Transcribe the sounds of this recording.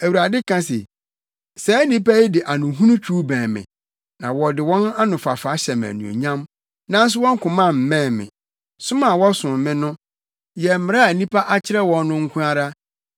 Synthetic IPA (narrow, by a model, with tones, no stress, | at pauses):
æ˨wu˨ɾa˨dɪ˦kʰã˦sɛ̰˨ | sɛː˨˦nĩ˦pʰa˦i˦dɪ˨ʔa˨nʊ̃˨ɦũ˦nʊ̃˦t͡ɕᶣʰuː˦bɛ̃ː˨mɪ̰̃˨ | nã˨wɔ˨dɪ˨wɔ̃˦na˦nʊ̃˨fa˨fa˨˦ɕɛ˨m˨æ̰˨nṵ̃˨o̰˨ɲã˦m | nã˦n˦s̬ʊ˦wɔ̃˦ŋ̩˦kʊ̃˨mã˦˨m̩˨mɛ̃ː˦˨mɪ̰̃˨ | sʊ̃˦mã˨wɔ˦sʊ̃˨m˨mɪ̃˦nʊ̃˦ | jɛ˨mɪ̃˨ɾa˦˨nĩ˦pʰa˦ʔa˦t͡ɕʰɪ˦ɾɛ˦wɔ̃˨n˦nʊ̃˦ŋ̩˦kʰʊ̃˦a˦ɾa˦